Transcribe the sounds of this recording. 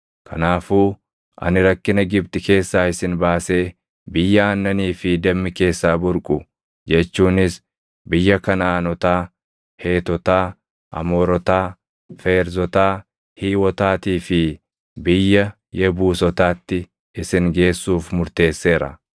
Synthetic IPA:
kʰɐ̰naːfuː | ʔɐ̰nɪɾɐkːɪnɐɡɪbt̪ɪke̞ːsːaːɪsɪnbaːse̞ː | bɪjːɐaːnːɐniːfɪd̪ɛmːɪke̞ːsːaːbʊɾkʼʊ | d͡ʒɛt͡ʃːuːnɪs | bɪjːɐkɐnaaːnɔt̪aː | he̞ːt̪ɔt̪aː | ʔɐ̰moːɾɔt̪aː | feːɾzɔt̪aː | hiːwɔt̪aːt̪iːfɪ | bɪjːɐ | jɛbuːsɔt̪aːt̪ːɪ | ɪsɪŋɡe̞ːsːuːfmʊɾt̪e̞ːsːe̞ːɾɐ̰

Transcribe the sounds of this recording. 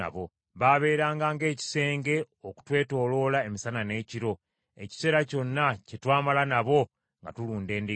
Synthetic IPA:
a̰βo̞ | βaβe̞ːɾaːŋɡaːŋɡe̞ːci̥se̞ːŋɡe̞ | oku̥twe̞ːto̞ːlo̞lae̞misanane̞ːciɾo̞ | e̞̰ci̥se̞ːɾaco̞nːacetwaːmalanaβo̞ | ŋɡatuluːnde̞ːndi

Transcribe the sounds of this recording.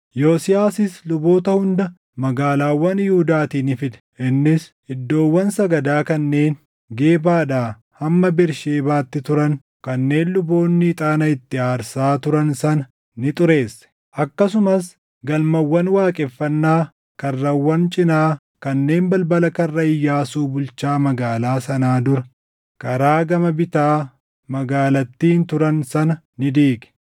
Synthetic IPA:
jo̞ːsɪjaːsɪslʊbo̞ːt̪ɐhʊnd̪ɐ | mɐɡaːlaːwːɐnjuːd̪aːt̪iːnɪfɪᶑ̪ɛ̥ʔɪnːɪs | ɪd̪ːo̞ːwːɐnsɐɡɐd̪aːkɐnːe̞ːn | ɡe̞ːbaːᶑaː | hɐmːɐbɪɾʃe̞ːbaːt̪ːɪt̪ʊɾɐn | kɐnːe̞ːnlʊbo̞ːnːiːt̪ʼaːnɐɪt̪ːɪaːɾsaːt̪ʊɾɐnsɐnɐ | nɪt̪ʼʊɾe̞ːsːɛ̥ | ʔɐkːɐs̬ʊmɐs | ɡɐlmɐwːɐnwaːkʼɛfːɐnːaː | kɐrːɐwːɐnt͡ʃʼɪnaː | kɐnːe̞ːmbɐlbɐlɐkɐrːɐɪjːaːsuːbʊlt͡ʃaːmɐɡaːlaːsɐnaːd̪ʊɾɐ | kɐɾaːɡɐmɐbɪt̪aː | mɐɡaːlɐt̪ːiːnt̪ʊɾɐnsɐnɐ | nɪd̪iːɡɛ̥

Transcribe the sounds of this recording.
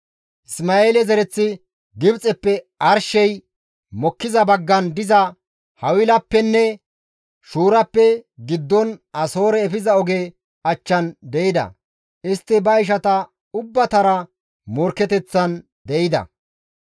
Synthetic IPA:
ʔɪsmaːeːlɛzɛɾɛt͡sːɪ | ɡɪbt͡sʼɛpːɛ | ɐɾʃɛj | mɔkːɪzɐbɐɡːɐnd̪ɪzɐ | hɐwɪlɐpːɛnːɛ | ʃuːɾɐpːɛɡɪd̪ːɔnɐso̞ːɾɛːfɪzɐɔɡe | ɐt͡ʃːɐnd̪ɛjɪd̪ɐ̰ | ɪst̪ːɪbɐɪʃ̬ɐt̪ɐ | ʊbːɐt̪ɐɾɐ | mɔɾkːɛt̪ɛt͡sːɐn | d̪ɛjɪd̪ɐ̰

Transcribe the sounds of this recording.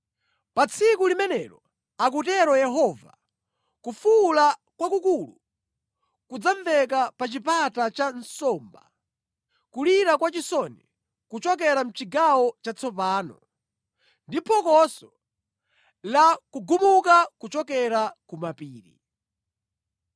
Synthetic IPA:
pat͡sʰikulimɛnɛɾɔ | ak̬utɛɾɔjɛɦɔva̰ | kufulakwakukulu | kud͡zaɱvɛk̬apat͡ʃipatat͡ʃansɔmba̰ | kuliɾakwat͡ʃisɔni | kut͡ʃɔk̬ɛɾam̩t͡ʃiɡawɔt͡ʃat͡sʰɔpaːnɔ̰ | ndipʰɔkɔsɔ | lakuɡumukakut͡ʃɔkɛɾakumapiːɾḭ

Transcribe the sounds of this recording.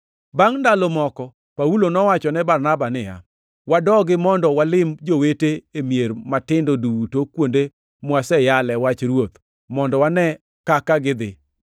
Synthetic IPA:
baŋndalɔmɔkɔ | paulonɔwat͡ʃɔnɛbarnabanɪja̰ | wadɔɡɪmɔndɔwalɪmd͡ʒoweteemjermatɪndodutokwonde | mwasɛjalɛwat͡ʃɾwot̪ | mɔndɔwanɛ | kakaɡɪd̪ɪ̰

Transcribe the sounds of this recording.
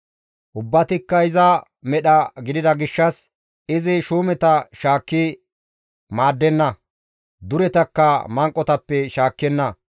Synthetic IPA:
ʔʊbːɐt̪ɪkːɐɪzɐ | mɛɗɐɡɪd̪ɪd̪ɐɡɪʃːɐs | ɪzɪʃuːmɛt̪ɐʃaːkːɪ | maːd̪ːɛnːɐ | d̪ʊɾɛt̪ɐkːɐmɐŋkʼːɔt̪ɐpːɛʃaːkːɛnːɐ

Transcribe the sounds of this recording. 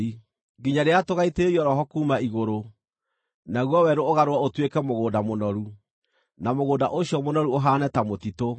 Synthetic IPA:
i | ɡiɲaɾeatoɣaiteɾiɔɾɔɦɔkuːmaiɣoɾo | naɣwɔwɛɾoːɣaɾowaotwekɛmoɣoːdamonɔɾu | namoɣoːdaʔoɕjɔmonɔɾuoɦaːnɛtamotito

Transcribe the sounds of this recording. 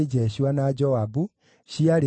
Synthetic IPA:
ed͡ʒɛɕianad͡ʒɔabu | ʃiaɾe

